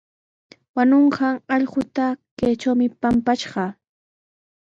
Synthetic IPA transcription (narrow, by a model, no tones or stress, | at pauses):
wanoɴɢɑŋɑʎɢʊt̪akejt͡ʃawmɪpampaʃɢɑ